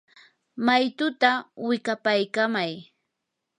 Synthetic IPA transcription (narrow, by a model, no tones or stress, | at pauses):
majt̪ʊt̪awɪkapajkamaj